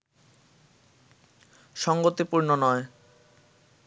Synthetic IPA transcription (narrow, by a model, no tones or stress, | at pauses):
ʃɔŋɡot̪ipuɾnonɔe